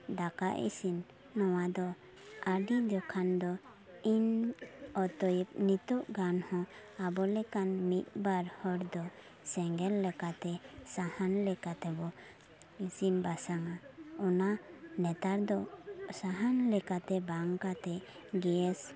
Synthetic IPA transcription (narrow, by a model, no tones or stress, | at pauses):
d̪aka̰ʔḭsinː | ɔwad̪ɔ | aɖid̪ɔkʰand̪ɔ | in | ɔt̪ɔjp̚nit̪ɔʔɡanhɔ̃abɔlɛkanmit̪̚ˀbaɾhɔɽd̪ɔ | sɛŋɡɛlːɛkat̪ɛsahanlɛkat̪ɛbɔ | isinbasaŋaɔnanɛt̪aɾd̪ɔsaɦanlɛkat̪ɛbaŋkat̪ɛ | ɡɛɛs